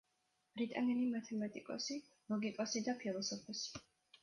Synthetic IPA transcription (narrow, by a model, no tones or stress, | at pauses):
b̥ɾit̪ʼanɛnimat̪ʰɛmat̪ʼikʼɔ̰si | lˠɔɡikʼɔsid̪apʰilˠɔsɔpʰɔsi̥